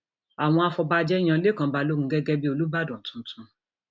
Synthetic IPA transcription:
a˨w̃ɔ̃˧a˧fɔ˧ba˧d͡ʒɛ˦i˦j̃ã˧le˦˨kã˧˨ba˧lo˦ɡ̩̃˨˦ɡɛ˦ɡɛ˦bi˦o˧lu˦ba˦˨dɔ̃˨tũ˨˦tũ˧

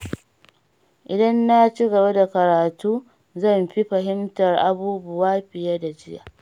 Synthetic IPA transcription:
ʔɪ˨dɐ˦nːa˦t͡ʃi˦ɡɐ˨ba˦da˨kɐ˨ɾaː˨tuː˦ | zɐ˦˨mɸi˦ɸɐ˨ɦɪ˦mtɐ˨rʔa˦buː˦bʊ˦waː˦ɸɪ˨jɐ˦da˨d͡ʒɪ˦ja̰ː˨

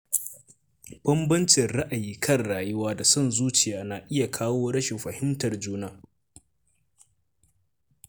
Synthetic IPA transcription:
b̥ɐ˦mbɐ˦nt͡ʃɪ˨rɽa˦ʔa˨jiː˦kʰɐ˦˨rːaː˨jʊ˦waː˦da˨sɐ˦˨nzuː˦t͡ʃɪ˨jaː˨naː˨ʔɪ˦ja˨kʰaː˦woː˦ɽɐ˦ʃɪ˨mɸɐ˨hɪ˦mtɐ˨rd͡ʒuː˦naː˦

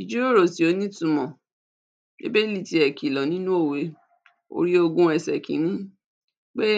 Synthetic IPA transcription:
i˨d͡ʒu˨˦ɾo˦˨ɾo˨ti˨o˧˦nĩ˦tũ˨˧mɔ̃˨ | ḛ˦be˦li˦˨ti˧˦ɛ˨ki˨lɔ˨nĩ˦nũ˦o˦˨we˨˦ | o̰˧ɾi˦o˧ɡũ˦ɛ˧˨sɛ˨kḭ̃˨˦nĩ˦ | k͡pe˦

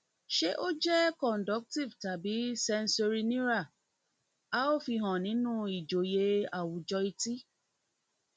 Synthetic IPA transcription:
ʃe˦ʔo˦d͡ʒɛ˦kɔ̃˨n˨dɔ˨˦k̚ti˦˨vta˨bi˨˦sɛ˧n̩˦so˧ɾi˧nĩ˦ɾa˦˨ | a˦o˦fi˧ɦɔ̃˨nĩ˨˦nũ˦˨i˨d͡ʒo˨je˧a˨wu˨d͡ʒɔ˧i˧ti˦

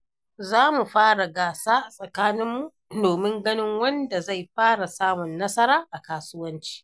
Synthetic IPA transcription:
zaː˦mu˨ɸaː˦ɽa˨ɡaː˨saː˦˨sʼɐ˨kaː˦nɪ˦mːu˨ | doː˨mɪ˦ŋɡɐ˦nɪ˦ŋwɐ˦nda˨za˦˨jɸaː˦ɽa˨saː˦mʊ˨nːɐ˦sɐ˦ɾaː˦ʔa˨kaː˦sʊ˦wɐ˦nt͡ʃi̥ː˦

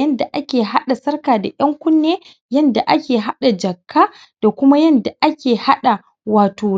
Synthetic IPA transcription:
jɐ˦nda˨ʔa˦kʲeː˨ɦa˦ɗa˨sɐ˦rkaː˨da˨jɐ˦ŋkʷʊ˦nːeː˦ | jɐ˦nda˨ʔa˦kʲeː˨ɦa˦ɗa˨d͡ʒɐ˨kʰːaː˦ | d̥a˨kʷʊ˦ma˦jɐ˦nda˨ʔa˦kʲeː˨ha˦ɗa˨ | waː˨toː˨

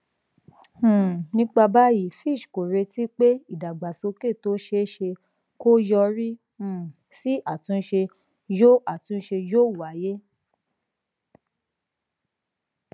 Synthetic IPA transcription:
nĩ˦k͡pa˧ba˦ji˦˨fi˦˨ʃko˨ɾe˧ti˦k͡pe˦i˦˨da˨ɡ͡ba˨so˧ke˦˨to˦ʃe˧˦ʃe˧ | ko˦jɔ˧ɾĩ˦˨ | si˦ʔa˦˨tũ˧˦ʃe˧ | jo˦a˨tũ˨˦ʃe˧d͡ʒo˦˨wa˨˦je˦

